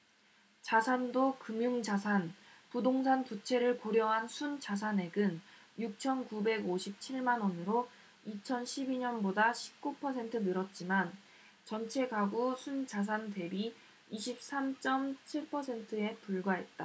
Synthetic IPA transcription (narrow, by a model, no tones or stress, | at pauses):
t͡ɕasʰandokɯmjuŋd͡ʑasʰanpudoŋsʰantut͡ɕʰe̞ɾɯɭkoɾjʌɦansʰunt͡ɕas̬ʰane̞ɡɯn | juk̚t͡ɕʰʌnkube̞ɡoɕʰip̚t͡ɕʰiɭmanʌnɯɾo | it͡ɕʰʌnɕʰibiɲʌnbodaɕʰi̥p̚k͈upʰʌsʰe̞ntʰɯnɯɾʌt̚t͡ɕ͈iman | t͡ɕʌnt͡ɕʰe̞ɡaɡusʰunt͡ɕas̬ʰante̞bi | iɕʰip̚s͈amt͡ɕ͈ʌmt͡ɕʰiɭpʰʌsʰe̞ntʰɯe̞puɭɡwaɦe̞t̚t͈a